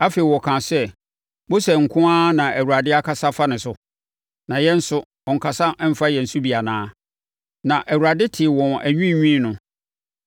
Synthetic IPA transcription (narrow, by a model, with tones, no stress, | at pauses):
a˦feː˨i˨wɔ˨kʰãː˨sɛ˦ | bo˦sɛ˨ŋ̩˨kʰʊ̃˦a˦nã˨ʔæ˨wu˨ɾa˨dɪ˦a˦kʰa˦sa˦fa˦nɪ̃˨sʊ˨ | nã˨jɛ˦n̩˦sʊ˦ | ɔ˨ŋ̩˨kʰa˨sa˦ɛ˦m̩˦fa˦jɛ̃˨n̩˨su˦bi˨a˨nãː˦ | nã˨ʔæ˨wu˨ɾa˨dɪ˦tʰɪ˨wɔ̃˨næ˨ɲᶣĩ˦˨ɲᶣĩ˦nʊ̃˨